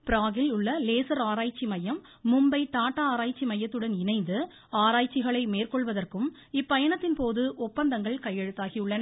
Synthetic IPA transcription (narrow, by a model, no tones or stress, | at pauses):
pɪɾaːɣɪlʊɭːɐleːsɐɾaːɾaːjt͡ʃːimɐjɐmː | ʊmbɐɪt̪aːʈːɐaːɾaːjt͡ʃːimɐjːɐt̪ːɯɽɐnɪnɐɪnd̪ɯ | aːɾaːjt͡ʃːɪɣɐɭɐɪmeːrkɔɭʋɐðɐrkɯm | ɪpːɐjɐnɐt̪ːɪnpoːðɯʔɔpːɐnd̪ɐŋɡɐɭkɐjːɛɻɯt̪ːaːɣiɯɭːɐnɐ